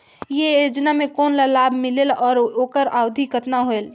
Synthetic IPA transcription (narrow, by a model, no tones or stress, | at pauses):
jeod͡ʒnamẽkoːnlalaːbʱmɪlelɔːɾoːkəɾaːʊd̪ʱikət̪naɦoel